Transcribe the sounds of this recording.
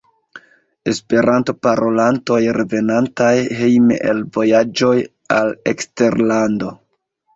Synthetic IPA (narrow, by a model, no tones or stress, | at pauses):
e̞spe̞ɾʔanto̞paɾo̞lanto̞jɾe̞ve̞nantajɦe̞jmḛʔelvo̞jad͡ʒo̞j | ale̞kste̞ɾlando̞